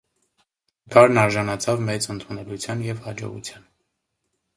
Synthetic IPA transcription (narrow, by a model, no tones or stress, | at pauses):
kʰɑɾnɑɾʒɑnɑt͡sʰɑvmɛt͡sənt̪ʰunɛlut͡sʰjɑnjɛvhɑd͡ʒɔ̰ʁṵt͡sʰjɑn